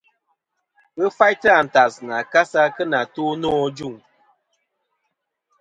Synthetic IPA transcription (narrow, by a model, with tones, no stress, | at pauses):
ɣə˦fa˦jtɨ˦a˨n̩˨ta˨sna˨ka˦sa˦kə˦na˨to˦nɔ˦d͡ʒu˦˨ŋ